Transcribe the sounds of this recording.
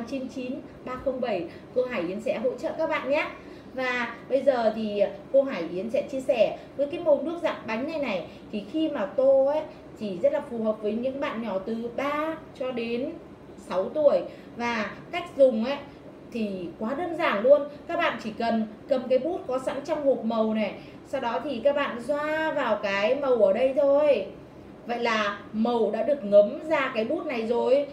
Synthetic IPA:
t͡ɕi˨˦nt͡ɕi˨˦n | ɓaː˧xə˧wŋ͡mɓə˧˩j | kə˧ɦaː˧˩jʔi˨˦ənsɛ̰˧˥ɦo̰˧˥t͡ɕə̰ː˧˨kaː˦˥k̚ɓa̰ː˧˨nɲaː˦˥ | vaː˨˩ɓə˧jzəː˨˩t̪ʰi˨˩ko˧ɦaː˧˩jʔi˨˦ənsɛ̰˧˥t͡ɕi˧əsɛ˧˩vəː˨˦jkaː˨˦jmo˨˩nɨ˦˥ək̚za̰ː˧˨ŋɓa˨˦jŋ̟na˨˧jna˨˩j | t̪ʰi˨˩xi˧maː˨˩t̪o˧ə˦˥ | t͡ɕi˧˩zə˦˥t̚laː˨˩fu˨˩ɦəː˨˩p̚vəː˨˦jɲɨ̰˧˥ŋɓa̰ː˧˨nɲɔ˧˩t̪ɨ˨˩ɓaː˧t͡ɕɔ˧ɗe˨˦n | sa˨˦wt̪u˧˩əj | vaː˨˩ka˦˥jk̟̚zʊ˨˩ŋ͡mʔa˨˦ | t̪ʰi˨˩kwaː˨˦ɗəː˧nzaː˧˩nlu˧ənkaː˦˥k̚ɓa̰ː˧˨nt͡ɕi˧˩kə˨˩nkə˨˩mkaː˨˦jɓu˦˥ət̚kɔ˨˦sa̰˧˥nt͡ɕɔ˧wŋ͡mŋu˨˩t̚mə˨˩wnɛ˨˩ | sa˧wɗɔ˨˦t̪ʰi˨˩kaː˦˥k̚ɓa̰ː˧˨nzwaː˧vaː˨˩wkaː˨˦jmə˨˩wʔəː˧˩ɗə˧jt̪ʰo˧j | və̰˧˨jlaː˨˩mə˨˩wɗa̰ː˧˥ɗɨ˨˩ək̚ŋə˨˦mzaː˧kaː˨˦jɓu˦˥ət̚na˨˩jzo˨˩j

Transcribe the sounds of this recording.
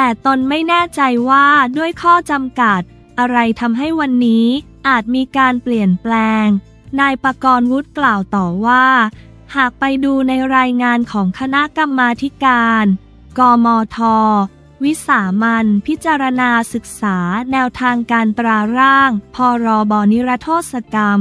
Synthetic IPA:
t̪ɛː˨˩t̪o˧nma˥˩jnɛː˥˩t͡ɕa˧jwaː˥˩du˥˩əjkʰɔː˥˩t͡ɕa˧mka˨˩t̪̚ | ʔa˧ɾa˧jt̪ʰa˧mɦa˥˩jwa˧nːiː˦˥ | ʔaː˨˩t̪̚miː˧kaː˧npli˨˩ənplɛː˧ŋ | naː˧jpa˧kɔː˧nwu˦˥t̪̚klaː˨˩wt̪ɔː˨˩waː˥˩ | haː˨˩k̚pa˧jduː˧na˧jɾaː˧jŋaː˧nkʰɔː˩˦ŋkʰa˧na˦˥ʔka˧mːaː˧t̪ʰi˦˥kaː˧n | kɔː˧mɔː˧t̪ʰɔː˧ | wi˦˥saː˩˦ma˧npʰi˦˥t̪̚t͡ɕːaː˧ɾa˧naː˧sɯ˨˩k̚saː˩˦nɛː˧wt̪ʰaː˧ŋkaː˧nt̪ɾaː˧ɾaː˥˩ŋpʰɔː˧ɾɔː˧bɔː˧ni˦˥ɾa˦˥t̪ʰoː˥˩t̪̚sa˧ka˧m

